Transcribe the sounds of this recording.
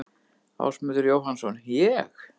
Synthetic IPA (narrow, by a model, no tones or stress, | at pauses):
a̰wsmʏːðʏɾjowɦansɔnjɛx